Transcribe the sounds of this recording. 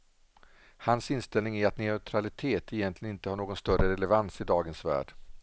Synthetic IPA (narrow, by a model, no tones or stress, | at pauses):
hansɪnst̪ɛlnɪŋæɾat̪nɛœt̪ʰɾalɪt̪ʰeːt̪əɛjɛnt̪lɪənɪnt̪əhaːɳoːɡɔnst̪œɾəɾɛlɛvansɪd̪ɑːɡənsvæ̰ːɖ̥